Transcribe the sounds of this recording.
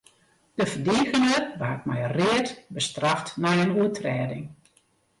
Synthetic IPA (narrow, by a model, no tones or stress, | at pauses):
d̥əfədiːɣənərbaːk̚mɛ̰jrɪːətbəstraftnɛjənuətʰrɛːdɪŋ